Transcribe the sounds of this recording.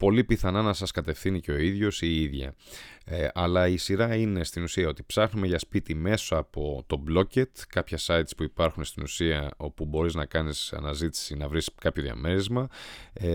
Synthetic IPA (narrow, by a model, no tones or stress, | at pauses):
po̞lipiθɐnɐnɐsɐskɐt̪e̞fθiniceo̞iðʝo̞siiðʝɐ̰ | ɐlɐisiɾɐine̞st̪inusiɐo̞t̪i̥psɐxnume̞ʝɐspit̪ime̞soɐpo̞t̪o̞blo̞ce̞t̪kɐpçɐsɐit̪spuipɐɾxunst̪inusiɐo̞pubo̞ɾiznɐkɐnisɐ̰nɐzit̪i̥sinɐvɾiskɐpço̞ðiɐ̰me̞ɾezmɐ